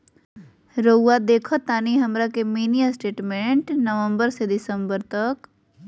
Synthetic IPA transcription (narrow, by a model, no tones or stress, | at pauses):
ɾəad̪eːkʰət̪ːaːniɦɐmɾakemiːnijasʈeːʈmẽɳʈnəʋə̃mbəɾsed̪ɪsəmbəɾt̪ɐk